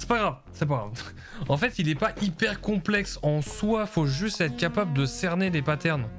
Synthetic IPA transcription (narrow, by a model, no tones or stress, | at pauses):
sɛ̥paɡʁav | sɛpaɡʁa̰v | ɑ̃fɛt̪ilɛpaʔipɛʁkɔ̃plɛksɑ̃swafoʒyst̪ɛt̪χəkapabləd̪əsɛʁnelepat̪ɛʁn